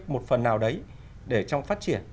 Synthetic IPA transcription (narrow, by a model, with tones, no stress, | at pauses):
k̚mo˨˩t̚fə˨˩nːaː˨˩wɗə˨˦j | ɗe˧˩t͡ɕɔ˧wŋ͡mfaː˦˥t̚t͡ɕi˧˩ən